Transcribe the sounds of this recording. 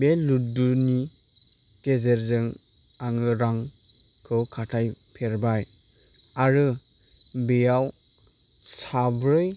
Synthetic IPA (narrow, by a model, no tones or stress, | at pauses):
beluduni | tezeɾzɯŋ | aŋɯɾaŋ | kʰɯkʰatʰajpʰeɾbaj | aɾɯ | bejaw | sabɾɯj